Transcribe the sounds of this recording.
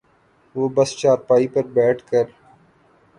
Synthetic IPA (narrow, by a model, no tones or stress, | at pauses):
ʋoːbɐst͡ʃaːɾpaːipɐɾbɛːʈʰkɐɾ